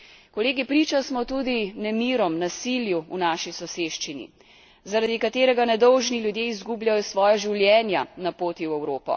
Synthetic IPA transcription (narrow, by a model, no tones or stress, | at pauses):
kɔleːɡipɾiːt͡ʃasmɔt̪uːd̪inɛmiːɾɔmnasiljuunaːʃisɔseːʃt͡ʃinḭ | zaɾad̪ikat̪eːɾɛɡanɛd̪ɔwʒnilʲjud̪jeːizɡubljajɔsʋɔːjaʒiwljɛːnjanapoːt̪iwɛwɾoːpɔ̰